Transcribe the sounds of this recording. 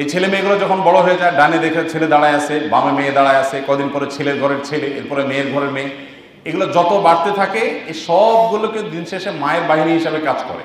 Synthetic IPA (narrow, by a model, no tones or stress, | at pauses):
ejt͡ɕʰelemeɡulod͡ʑɔkʰonbɔɽoɦoed͡ʑaeɖaned̪ekʰet͡ɕʰeled̪aɽaeasʰeba̰memeːd̪aɽaeasʰekɔd̪inpɔɾet͡ɕʰeleɾɡʱɔɾeɾt͡ɕʰeleḛɾpɔɾemeeɾɡʱɔɾeɾme | eɡulod͡ʑɔt̪obaɽt̪et̪ʰakeeʃɔbɡuloked̪inʃeʃemaeɾbaɦiniɦiʃabekad͡ʑkɔ̰ɾḛ